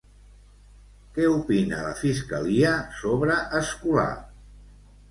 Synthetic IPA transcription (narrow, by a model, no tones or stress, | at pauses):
kɛupinə̰lə̰fiskəliəsoβɾəʔəskula̰